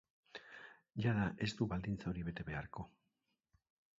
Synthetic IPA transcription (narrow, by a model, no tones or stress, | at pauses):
ʝaðaʔe̞st̪uβald̪int͡sao̞ɾiβe̞t̪e̞βe̞aɾko̞